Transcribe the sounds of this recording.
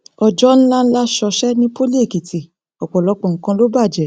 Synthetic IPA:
ɔ˧d͡ʒɔ˦ñ̩˦la˦n̩˦la˦ʃɔ˧ʃɛ˦nĩ˦po˦li˦e˦˨ki˨ti˨ | ɔ˨k͡pɔ˨lɔ˧˦k͡pɔ̃˨ŋ̩˨˦kã˧lo˦ba˦˨d͡ʒɛ˨˦

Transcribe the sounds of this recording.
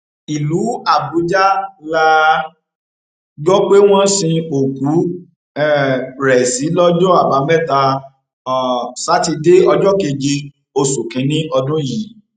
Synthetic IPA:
i˨lu˨˦a˦˨bu˨˦d͡ʒa˦la˦˧ | ɡɔ˦k͡pe˦w̃ɔ̃˦sĩ˧o˨ku˨˦ | ɛ˦ɾɛ˨si˨˦lɔ˦d͡ʒɔ˦a˦˨ba˧mɛ˦˨ta˧˨ | sa˨˦ti˧de˦ɔ˧d͡ʒɔ˦ke˧d͡ʒe˧ | o˧su˨kĩ˨˦nĩ˦ɔ˧dũ˦ji˨

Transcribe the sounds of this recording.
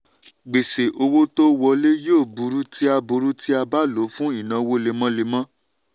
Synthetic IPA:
ɡ͡be˨se˨ʔo˧wo˦to˦wɔ˧le˦joː˦˨bu˧˦ɾu˦ti˦a˧bu˧ɾu˦ti˦a˧ba˦lo˨˦fũ˦i˦˨nã˧wo˦le˧mɔ̃˦le˧mã˦

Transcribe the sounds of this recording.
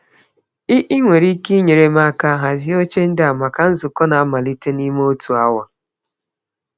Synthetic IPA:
ɪ˦ʔɪ˦ŋʷe˨ɾi˦ki˦ɲe˨ɾe˨ma˦ka˦ɦa˨zɪ˦o˦t͡ʃe˦n̩˦dɪ˦a˨ma˨ka˨n̩˦zʊ˨kɔ˦na˨a˦ma˨li˦te˦ni˦m˦o˦tu˨a˦wa˨

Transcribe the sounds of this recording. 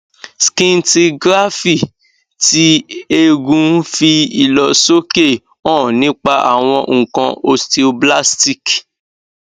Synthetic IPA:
skĩ˧n˦ti˧ɡɾa˦fi˦˨ | ti˦e˧ɡũ˧fi˧i˨lɔ˨so˦ke˦˨ | ɔ̃˦˨nĩ˦k͡pa˧ʔa̰˨w̃ɔ̃˧ŋ̩˨kã˧o˧sti˧o˧bla˦sti˦˨k

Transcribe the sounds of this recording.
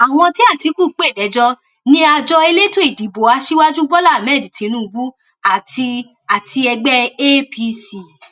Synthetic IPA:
a˨w̃ɔ̃˧ti˦a˦˨ti˨˦ku˦˨˦k͡pe˦˨lɛ˨˦d͡ʒɔ˧ | nĩ˦a˧d͡ʒɔ˧e˧le˦to˦i˨di˨˦bo˨a˧ʃi˦wa˦d͡ʒu˦ɡ͡bɔ˦la˦˨mɛ˦˨di˨tĩ˨˦nũ˦˧ɡu˦ | a˨ti˧ | a˨ti˧ɛ˧ɡ͡bɛ˦e˦pi˧si˨

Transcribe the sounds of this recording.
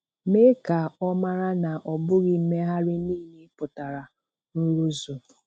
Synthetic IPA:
me˦ka˨ɔ˦ma˦ɾa˦na˨ʔɔ˨bʊ˦ɣi˨˦me˦ɦa˦ɾɪ˦niː˦˨ɦi˦pʊ˨ta˨ɾa˨ | nu˦ɾu˦zo˨

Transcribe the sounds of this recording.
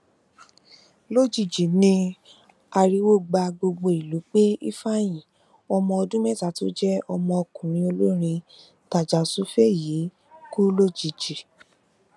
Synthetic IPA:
lo˦d͡ʒi˨d͡ʒi˨nĩ˧ | a˧ɾi˧wo˦˨ɡ͡ba˧ɡ͡bo˧ɡ͡bo˧i˨lu˨˦k͡pe˦ḭ˦fa˦j̃ĩ˨ | ɔ˧mɔ̃˧ɔ˧dũ˦mɛ˦˨ta˨˦to̰˦d͡ʒɛ˦ɔ˧mɔ̃˧ɔ˧kũ˨nĩ˨˦o˧lo˦ɾ̃ĩ˧ | ta˨d͡ʒa˨su˦fe˦˨ji˨˦ | ku˦lo˦d͡ʒi˨d͡ʒi˨

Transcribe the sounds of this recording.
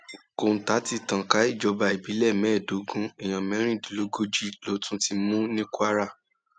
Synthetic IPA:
ko˨n̩˨ta˨˦ti˦˨tã˨ka˨˦i˦˨d͡ʒɔ˧˦ba˧i˨bi˨˦lɛ˦˨mɛ̃˨˦˨do˨˦ɡũ˦ɛ˨j̃ã˨mɛ̃˨˦ɾ̃ĩ˦˨di˨lo˨˦ɡo˦d͡ʒi˦˨lo˨˦tũ˦ti˧mũ˦nĩ˦kʷa˦ɾa˦˨

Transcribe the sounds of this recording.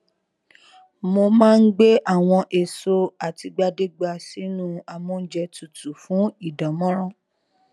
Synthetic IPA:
mo˧mãː˦˧n̩˦ɡ͡be˦ʔa˦˨w̃ɔ̃˧ʔe˨so˧a˨ti˧ɡ͡ba˧de˦ɡ͡ba˧si˨˦nũ˦a˧mũ˦n̩˦d͡ʒɛ˧tu˨tu˨fũ˨˦i˦˨dã˨mɔ̃˦ɾ̃ɔ̃˦

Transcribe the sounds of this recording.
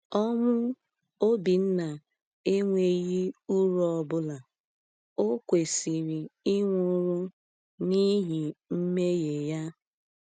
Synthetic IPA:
ɔ˦mʊ˦ | o˦bi˨n̩˦na˨ | e˦ŋʷe˨˦ji˦u˦ɾɔ˨ɔ˨bʊ˦la˨ | o˦kʷe˨si˨ɾi˨i˦ŋʷu˦ɾu˦ | ni˦ɦi˨m̩˦me˦je˨ja˦

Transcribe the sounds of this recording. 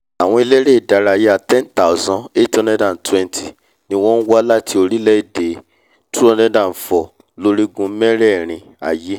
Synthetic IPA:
a˨w̃ɔ̃˧i˧le˦ɾe˦i˨da˨ɾa˧˨je˦a˨tɛ̃˦nta˨u˨zɔ̃˧e˦tɔ˧nɛ̃˦dã˦˨tɛ̃˦n˦tʰi˨ | nĩ˧w̃ɔ̃˦n̩˦wɔ˦la˦tʰi˧˦o˧ɾi˦lɛ˦i˦˨de˨ | tu˦ɔ˧nɛ̃˦dã˨fɔ˨ | lo˧ɾi˦ɡũ˧˦mɛ̃˦ɾɛ˦˨ɾ̃ĩ˧ | a̰˨je˦

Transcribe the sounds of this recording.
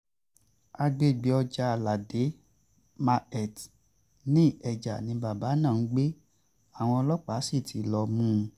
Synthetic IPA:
a˧ɡ͡be˦˨ɡ͡bi˨˦ɔ˧d͡ʒa˧la˨de˨˦ | ma˧ɛ˨t | nĩ˦ɛ˨d͡ʒa̰˨nĩ˧˦ba˨ba˨˦nãː˦˨n̩˦ɡ͡be˦ | a˦˨w̃ɔ̃˧ɔ˧lɔ˦k͡pa˨˦si˦˨tʰi˨˦lɔ˧mũ˦˧

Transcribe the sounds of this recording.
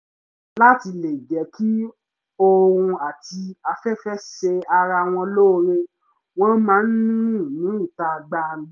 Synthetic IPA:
la˦ti˧le˨d͡ʒɛ˨˦kʰi˦ | o˦˧ɾũ˧a˨ti˧a˧fɛ˦fɛ˦ʃe˧a˧ɾa˧w̃ɔ̃˧lo˦˧ɾe˧ | w̃ɔ̃˦mãː˨˦n̩˦nũ˦˨nĩ˨˦i˦˨ta˧ɡ͡bã˧˦

